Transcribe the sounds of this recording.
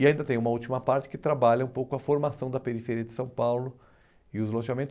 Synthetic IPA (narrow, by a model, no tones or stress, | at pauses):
ɪaĩnd̪ɐt̪ẽj̃ũmɐut͡ʃimɐpaɾt͡ʃɪ̥kɪt̪ɾabaʎɐũpowkʊɐfoɾmasɐ̃w̃d̪ɐpeɾifeɾiɐd͡ʒ̪ɪsɐ̃w̃pawlʊ | ɪʊzlõʃamẽnt̪